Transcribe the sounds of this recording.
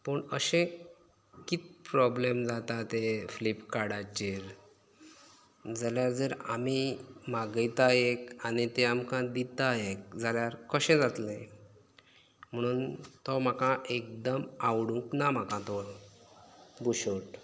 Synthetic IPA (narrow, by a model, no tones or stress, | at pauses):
pəɳəɕẽ | kit̪pɾɔblemd͡zat̪at̪eflipkaɽat͡ɕiɾ | d͡zaljaɾd͡zəɾa̰mimaɡəjt̪aɦekañit̪eamkãd̪it̪aɦekd͡zaljaɾkəɕẽd͡zat̪lẽ | m̤əɽ̃uːnt̪ɔm̤akãʔek̚d̪əmawɽũŋknam̤akãt̪ɔɾ | buɕoʈ